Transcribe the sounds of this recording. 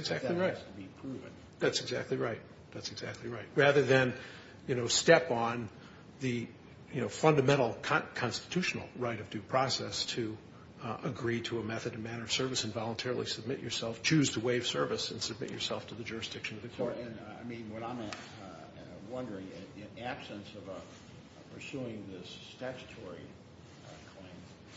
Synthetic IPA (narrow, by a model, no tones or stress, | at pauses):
ɨɡzæk̚ˡliɹaɪtʰəbipʰɹ̥uṽ̰n | ðætsɨɡzæ̰k̚tˡliɹaɪt̪̚ | ðætsɨɡzæ̰k̚tˡliɹaɪt̚ɹæðə˞ðɨ̃n | jɨñoʊstɛpn̩ | ðɨ | jɨnoʊfʌ̃ndɨmɛ̃ɾ̃l̩ˠkʰkʰɑ̃nstɨ̥tʰʉʃn̩l̩ˠɹaɪɾʌvdʉpʰɹ̥ɑsɛstʰɨ | əɡɹiɾəːmɛθɨɾɨn̩mæñə˞ʌv̥sɜ˞vɨsɨ̃nvɑlˠə̃ntʰɛɹl̩ˠisɨb̚mɪ̰t͡ʃə̰˞sɛlˠft͡ʃʰʉz̥tʰəweɪv̥sɜ˞vɨsɨ̃nsɨb̚mɪ̰t͡ʃə̰˞sɛlˠftʰɨðɨd͡ʒʊɹɨsd̥ɪkʃɨ̃nʌvðɨkʰɔɨ̃na̰ɪmĩnwʌɾãɪ̃m | wʌ̃ndə˞ɪ̃ŋɪ̃næb̥sɨ̃nsʌvə | pʰə˞suɪ̃ŋðɪstækstʰɔɹi | kʰl̥ẽɪ̃m